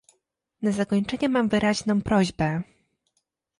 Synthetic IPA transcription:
nazakɔɲt͡ʂɛɲɛmamvɘɾaʑnɔ̃w̃pɾɔʑbɛ

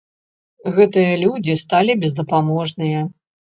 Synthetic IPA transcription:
ɣɛt̪ɨjɐlʲud͡zʲist̪alʲibʲɛzd̪ɐpamɔʐnɨjɐ

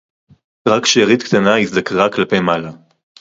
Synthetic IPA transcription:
ʁakʃeʁit̪kt̪anaisd̪akʁaklapejmala

